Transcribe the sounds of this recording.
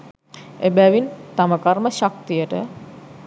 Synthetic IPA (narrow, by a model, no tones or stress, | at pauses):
ebæʋint̪aməkaɾməʃak̚t̪ijəʈə